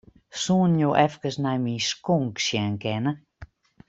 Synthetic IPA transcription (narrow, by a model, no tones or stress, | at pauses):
suːnjoʔɛfkəsnajmiskoŋkʃjɛnkɛnə